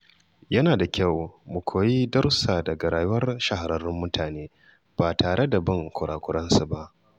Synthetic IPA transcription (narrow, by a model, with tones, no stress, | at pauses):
jɐ˦naː˨da˨kʲa˦˨wmu˨kʷʰoː˨ji˦dɐ˦rsaː˨dɐ˨ɡa˨ɾaː˨jʊ˦wɐ˦rʃa˦˨ɦa˨ɾɐ˦˨rːɪ˦mːʊ˦tʰaː˨neː˦ | b̥aː˨tʰaː˨ɽe˦da˨bɐ˦˨ŋkʷʊ˨ɽʔa̰ː˨kʷʊ˦ɽɐ˦nsu˨ba˦ʔ